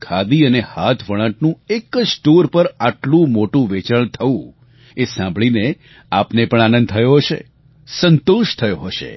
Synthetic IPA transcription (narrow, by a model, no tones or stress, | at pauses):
kʰad̪iənehat̪ʰʋəɭ̃ãʈnũeksʈoɾpəɾaʈlũmoʈũʋet͡ʃəɭt̪ʰəũ | esãmbʱɭine | apnepəɳanə̃nd̪̚t̪ʰəjoɦəʃḛ | sənt̪uʃt̪ʰəjoɦəʃḛ